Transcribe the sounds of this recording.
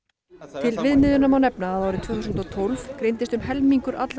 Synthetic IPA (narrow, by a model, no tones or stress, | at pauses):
t̪ʰɪlvɪðmɪðʏnamawnɛpnaːðaːwɾɪt̪ʰvɛːθusnt̪ɔt̪ʰolvkɾejnt̪ɪst̪ʏmɦɛlmiŋkʏɾa̰t̪l